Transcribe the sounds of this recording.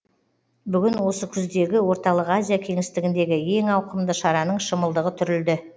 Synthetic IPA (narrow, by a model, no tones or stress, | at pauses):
bʏɡʲɪnwo̞səkʲʰʏzd̪e̞ɡʲɪwo̞ɾt̪ɑlˠəqazʲijakʲʰe̞ŋɪst̪ɪɡʲɪnd̪e̞ɡʲɪje̞ŋɑwqəmd̪əʃɑɾɑnəɴʃəməlˠd̪əʁət̪ʰʏɾɪld̪ɪ